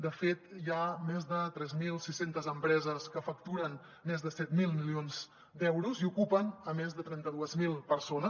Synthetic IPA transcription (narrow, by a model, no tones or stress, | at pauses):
d̪əfet̪jamezðət̪ɾɛzmilˠsisent̪əzəmpɾɛzəskəfək̚t̪uɾən | mezðəsɛt̪milˠmilionz | d̪ɛwɾuziukupənəmezðət̪ɾɛnt̪əðuəzmilˠpəɾsonəs